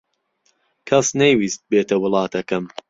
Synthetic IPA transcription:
kʰɐsnɐjwiːst̪̚beːt̪ʰɐwʊlˠɑːt̪ʰɐkɐm

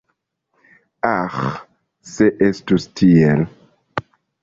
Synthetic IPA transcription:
ax | seʔestustʰiɛl

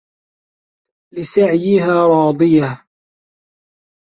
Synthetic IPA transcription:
lɪsaʕjɪɦaːɾˤɑːd̪ˤɨjah

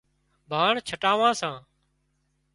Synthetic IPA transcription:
bʱaːɳt͡ʃʰəʈaːʋãːsãː

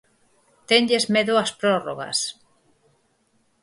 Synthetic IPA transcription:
t̪eɲʎezmeðoɐspɾoroɣa̰s

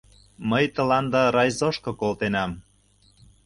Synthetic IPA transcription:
məjt̪ə̆lɑnd̪ɑɾɑjzoʃkɤ̆kolt̪enɑm

